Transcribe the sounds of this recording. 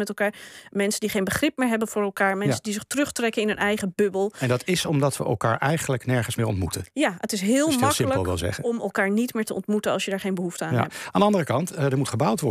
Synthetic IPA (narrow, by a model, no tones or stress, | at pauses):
mɛtɛlˠkaːɹmɛnsəndiχejnbəχrɪp̚mɪːɹɦɛbənv̥ʊːɹɛlˠkaːɹmɛsəndizɪχtrɵχtrɛkənɪnɵnʔɛjχəbɵbəlˠɛndɑtɪsɔmdɑtʋəʔɛ̰lˠka̰ːɹʔɛjχənləknɛɹχənsmɪːɹɔ̰ntmutənjaətɪsɦɪːlˠmɑkɪələlˠklˠzɛ̰əɔmɛlˠkaːɹnitmɪːɹtəʔɔ̰ntmutənɑ̰lˠsjədaːɹχejnbəɦuftəaːɛaːndəɑndərəkɑntdəɹmutχəbawtʋɔ